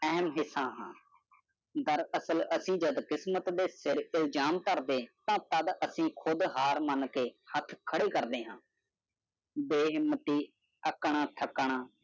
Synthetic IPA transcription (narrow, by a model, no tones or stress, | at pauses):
ɛɦmɦɪsːãːɦãː | d̪əɾəsələsĩːd͡ʒəd̪kɪsmət̪d̪eːsɪɾɪld͡ʒaːmk̪əɾd̪eːt̪ãːt̪əd̪əsĩːkʰʊd̪ɦaːɾmənkeːhət̪ʰkʰəɽeːkəɾd̪eːɦãː | beːɦɪmːət̪iː | əkːɳãːt̪ʰəkːɳ̃ãː